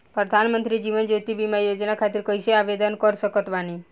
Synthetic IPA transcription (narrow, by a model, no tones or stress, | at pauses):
pɾəd̪ʱanmənt̪ɾid͡ʒiʋənd͡ʒot̪ibimajod͡ʒnakʰat̪iɾkəjʃeaʋed̪ənkəɾsəkət̪ʋani